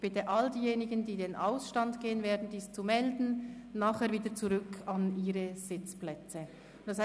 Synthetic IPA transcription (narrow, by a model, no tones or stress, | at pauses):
b̥ɪtəʔaldiːjeːnɪɡəndiːdenʔaʊsʃtandɡ̥eːənveːɐdn̩d̥iːst͡sumɛldn̩naːχhɛːɐɾviːdət͡suʁʏkʰɑniːɾəz̥ɪt͡splɛt͡sə | d̥ɑs